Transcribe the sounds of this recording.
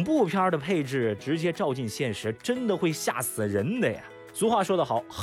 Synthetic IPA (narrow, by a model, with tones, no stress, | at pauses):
ŋpu˥˩pʰjɑ˥d̪ə˨pʰe˥˧ɪʈ͡ʂɻ̩˥˩ʈ͡ʂɻ̩˧˥t͡ɕjɛ˥ʈ͡ʂɑ˥˧ʊt͡ɕi˥˧nɕjɛ˥˩nʂɻ̩˧˥ʈ͡ʂə˥nd̪ə˨xwe˥˧ɪɕja̰˥˩sɹ̩˨˩ɻə˧˥nd̪ə˧˩jɐ̰˩ | su˧˥xwa˥˩ʂwɔ˥d̪ə˩xɑ˨˩˦ʊx